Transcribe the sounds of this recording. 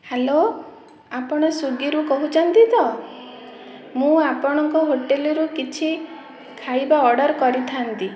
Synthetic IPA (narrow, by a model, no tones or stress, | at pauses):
helo | apɔɽ̃ɔsuɡiɾukɔɦut͡ʃʰɔnt̪it̪ɔ | mũapɔɽ̃ɔŋkɔɦoʈelɔɾukit͡ʃʰi | kʰajbaɔɽɔɾkɔɾit̪ʰant̪i